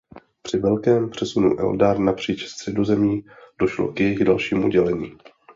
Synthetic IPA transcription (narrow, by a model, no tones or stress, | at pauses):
pr̥ɪvɛlkɛːmpr̥ɛsunṵʔɛ̰ldaɾnapr̝̥iːt͡ʃst̪r̥ɛdo̞zɛmiːd̥o̞ʃlo̰kjɛjɪɣdalʃiːmʔuɟɛlɛɲiː